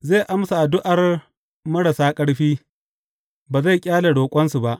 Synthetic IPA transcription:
zeː˦˨ʔa˦msa˨ʔa˨dʊ˦ʔa˨r | mɐ˦ɽa˨saː˦kʼɐ˦ɽɸiː˦ | baː˨za˦˨jkʲʼaː˦le˨ɽoː˨kʷʼɐ˦nsu˨ba˦ʔ

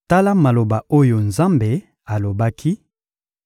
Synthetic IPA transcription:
ta˦la˦ma˨lo˨ba˨o˦jo˨nza˦mbe˨ | a˨lo˨ba˦kʰi˦

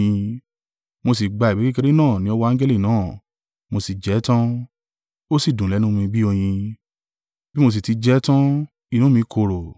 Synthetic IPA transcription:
ĩ˧ | mo˧s̬i˨ɡ͡ba˧i˨bi˨˦ki˦ke˧ɾi˦nãː˦˨nĩ˦ɔ˧wɔ˧a˦d͡ʒɛ˦li˦˨nãː˦˨ | mo˧si˨d͡ʒɛ˨˦tã˦ | o˦si˦˨dũ˨lɛ˨˦nũ˦mĩ˧bi˦o˧j̃ĩ˧ | b̥i˦mo˧s̬i˨ti˨˦d͡ʒɛ˨˦tã˦ | i˨nũ˨˦mĩ˧kʰo˧˨ɾo˨

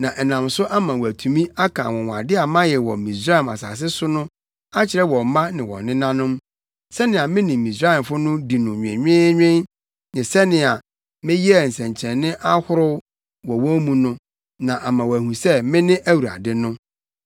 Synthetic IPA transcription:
nã˨ʔɛ˨nã˨msʊ˦ʔa˦mã˨wæ˨tʰu˨mĩ˦a˦kʰã̰˨wɔ̃˨wa̰˨dɪ˦a˨mã˦jɛ˨wɔ˨mĩ˨sɾa˦ɛ˨ma̰˨sa̰ː˨s̬ɪ˦sʊ˦nʊ̃˦ | a˦t͡ɕʰɪ˨ɾɛ˦wɔ̃˨˦mã˦nɪ̃˨wɔ̰̃˨nɪ̃˦nã˦nʊ̃˦m | sɛ˦nɪ̃˨a˨mɪ̃˦nĩ˨mĩ˨sɾa˦ɛ˨m˨fʊ˦nʊ̃˦di˨nʊ̃˨ɲᶣɪ̃˨ɲᶣɪ̃˦ɲᶣɪ̃˦n | nɪ̃˨sɛ˦nɪ̃˨a˨ | mɪ̃˦ji˦ɛ˦˨n̩˨sɛ̃˨ɲt͡ɕʰɛ̃˨nɪ̃˦ʔa˦hʊ˦ɾʊ˦ | wɔ˨wɔ̃˦mũ˦nʊ̃˦ | nã˨ʔa˨mã˨wæ˨hũ˨sɛ˦mɪ̃˦nɪ̃˦ʔæ˦wu˨ɾa̰˨dɪ˦nʊ̃˦

